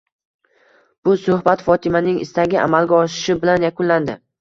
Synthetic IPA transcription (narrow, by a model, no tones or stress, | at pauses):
b̥ʊsʊhbat̪fɒt̪ʰɪmanɪŋɪ̰st̪aɡʲɪʔa̰malɡʲaɒʃɪ̥ʃɪbɪlanjakʰʊnland̪ɪ